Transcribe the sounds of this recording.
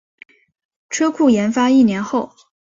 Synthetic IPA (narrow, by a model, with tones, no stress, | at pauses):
ʈ͡ʂʰɤ˥kʰu˥˩jɛ˧˥nfa˥i˥˩njɛ˧˥nxo˥˩ʊ